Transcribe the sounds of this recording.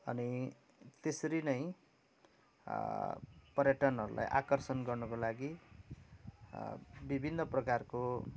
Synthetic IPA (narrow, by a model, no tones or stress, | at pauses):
ʌ̰ni | t̪esʌɾinʌj̃ | pʌrjaʈʌnɦʌɾulʔa̰jʔa̰kʌrsʌnɡʌrnʌkolaɡi | bibʱinːʌprʌkarko